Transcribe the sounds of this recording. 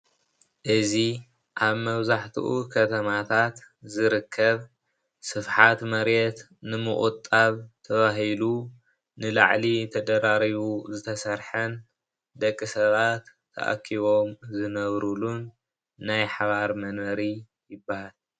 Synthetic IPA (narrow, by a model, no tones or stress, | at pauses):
ʔɨzi | ʔaβmɐβzaħt̪ʰṵʔukʰɐt̪ʰɐmat̪ʰat̪ | zɨɾɨkʰːɐβ | sɨfħat̪mɐɾɛt̪ | nɨmɨχʼut̪ʼːaβt̪ʰɐβaɦilu | nɨla̰ʕlit̪ʰɐd̪ɐɾaɾiβuzɨt̪ʰɐsɐɾħɐn | d̪ɐkʼːisɐβat̪ʰːɐ̰ʔa̰kʰːiβo̞mzɨnɐβɾulunː | ajħaβaɾmɐnɐɾi | jɪbahal